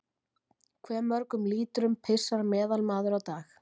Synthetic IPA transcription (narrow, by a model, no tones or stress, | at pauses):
kʰvɛːɾmœɾkʏmliːt̪ʏɾʏmpʰɪsːaɾmɛːðalmaːðʏɾawt̪aːx